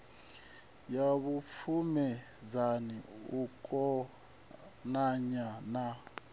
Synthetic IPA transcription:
jaβufʰumɛ | d͡zaniukʼɔ | naɲana

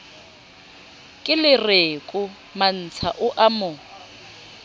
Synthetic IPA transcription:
kʼɪlɪrekʼʊ | man̩t͡sʰa̰ʔʊʔamʊ

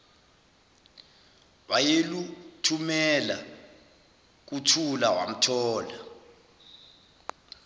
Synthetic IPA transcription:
ɓajelutʰumɛla | k̬utʰulawa̰m̩tʰɔːla

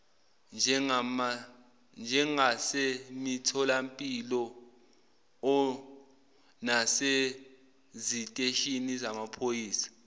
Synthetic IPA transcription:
nd͡ʒʱɛŋama | nd͡ʒʱɛŋasemitʰɔlampʼilɔ | ɔ | nase | zitʼeʃinizamapʰojiːsḁ

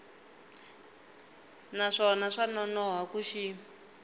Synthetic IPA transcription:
naʂɔnaʂanɔnɔɦakuʃi

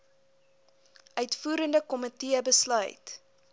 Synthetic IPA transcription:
ʔœɥtfuːɾəndəkɔmətiəbəslœ̰ɥt

